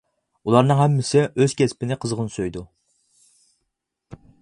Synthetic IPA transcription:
ulˠɑɾnɨŋɦɛmːɪsɪøzkʲʰɛspɪnɪqʰəzʁənsøjd̪u

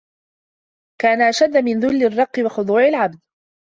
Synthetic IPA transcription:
kaːnaʔaʃad̪ːamɪnðʊlːɪrˤːɑqːɨwɑxʊd̪ˤuːʕalʕab̚d̪̚

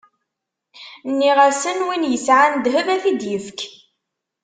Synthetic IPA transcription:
nːiʁæsənwinjəsʕand̪ɦəvæθid̪jəfk

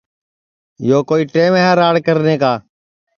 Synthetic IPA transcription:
joːkoːiːʈeːmeːɦaːɾaːɽkəɾneːkaː

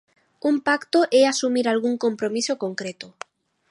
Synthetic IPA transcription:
umpakt̪oʔeasumiɾalɣuŋkõmpɾomisokoŋkɾet̪o

